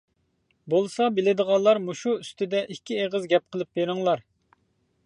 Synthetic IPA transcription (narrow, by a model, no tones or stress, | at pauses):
bolˠsɑbɪlɪd̪əʁɑnlˠːɑɾmuʃuyst̪ʰɪd̪ɛʔikʲʰːieʁəzɡʲɛp̚qʰəlˠɨp̚beɾɪŋlˠɑɾ